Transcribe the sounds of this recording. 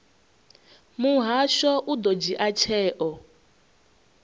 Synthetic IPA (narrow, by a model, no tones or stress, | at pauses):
muɦaʃɔʔud̪ɔd͡ʒiʔat͡ʃʰɛːʔɔ